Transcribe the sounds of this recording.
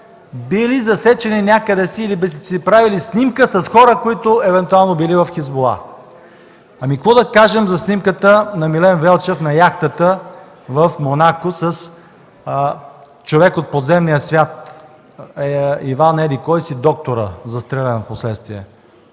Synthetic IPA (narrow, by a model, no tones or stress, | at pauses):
bilizɐsɛt͡ʃɛninʲakəd̪ɛsiːlibɛssipɾavilisnimkəsɐsxɔɾəkoit̪ʊɛvɛnt̪ualˠnobilivɐfxizbolˠa̰ | ɐmikəkvɔd̪ɐkaʒɛmzɐsnimkət̪ənɐmilɛnvɛlˠt͡ʃɛfnɐjaxt̪ət̪ə | vəfmonakosəs | t͡ʃovɛkot̪̚pod̪zɛmnijəsvʲjat̪ | ivanɛd̪ikɔjsid̪ɔk̚t̪oɾə̰zɐst̪ɾɛlʲɛnɐposlɛt̪st̪vʲiɛ̰